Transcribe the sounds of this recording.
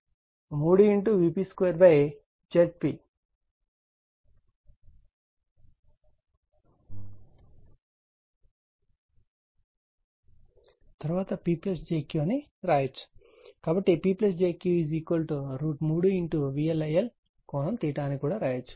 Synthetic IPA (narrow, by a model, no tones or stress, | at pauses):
muːɽuiɳʈuʋiːpiskʋeːɾbɐj | d͡ʒeʈ̚pi | t̪ɐɾuʋaːt̪ɐpiːpiesd͡ʒeːkjuɐniɾaːjɐt͡ʃːu̥ | kaːbɐʈːipiːples̬d͡ʒeːkjuːiziːkʋɐlʈuɾuːʈmuːɽuiɳʈuʋiːelɐjɐl | koːnɐmt̪iːʈaːnikuːɽaːɾaːjɐt͡ʃːu̥